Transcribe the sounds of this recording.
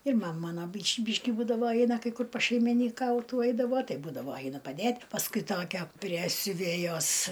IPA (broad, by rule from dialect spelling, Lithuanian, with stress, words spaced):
ɪr ˈmɐm ˈmɑːnɐ ˈbʲiːʃʲ ˈbʲiːʃʲkʲɪ ˈbuːdɐʋoː ˈɛɪnɐ ˈkɐɪ ˈkʊr pɐʃʲɛɪmʲɪnʲiːˈkɐʊtuː ˈɛɪdɐʋoː ˈtɐɪ ˈbuːdɐʋoː ˈɐɪnʊ pɐˈdʲeːtʲ pɐsˈkʊɪ ˈtoːkʲɛ pʲrʲiɛ sʲʊˈʋʲeːjoːs